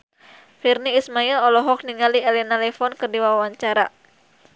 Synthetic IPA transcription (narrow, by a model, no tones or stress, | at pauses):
firniːsmailɔlɔɦɔk̚niŋaliɛlɛnalɛfɔnkərdiwawaɲt͡ʃaɾa